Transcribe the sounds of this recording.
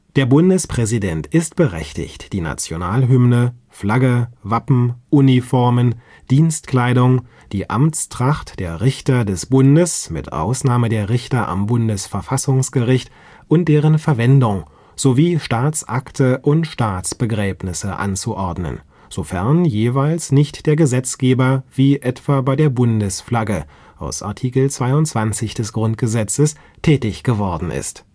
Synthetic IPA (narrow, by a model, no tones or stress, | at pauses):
d̥eːɐbʊndəspʁ̥ɛzidɛntʰɪstb̥əʁɛ̰çtɪ̰çtd̥iːna̰t͡sjonaːlɦʏmnə | flaɡəvapm̩ʔuːnifɔɐmən | d̥iːnstkl̥aɪdʊŋ | d̥iːʔa̰mt͡stʁ̥aχtd̥eːɐʁɪçtɐdɛsb̥ʊndəsmɪ̰tʔa̰ʊsnaːmədeːɐʁɪçtɐʔa̰mbʊndəsfɛɐfasʊŋsɡ̥əʁɪçt | ʔʊnt̚d̥eːʁənfɛɐvɛndʊŋ | z̥oviːʃtaːt͡sʔaktʰəʔʊntʃtaːt͡sb̥əɡʁɛːbnɪsəʔa̰nt͡suʔɔɐdnə̰n | z̥ofɛɐnjeːvaɪlsnɪçtd̥eːɐɡəzɛt͡sɡ̥eːbɐviːʔɛtv̥aːbaɪdeːɐbʊndəsflaɡə | ʔaʊsʔa̰ɐtʰiːkl̩t͡sv̥aɪʊntt͡sv̥ant͡sɪçd̥ɛsɡ̥ʁʊnt̚ɡ̥əzɛt͡səs | tʰɛːtɪçɡ̥əvɔɐdn̩ɪ̰st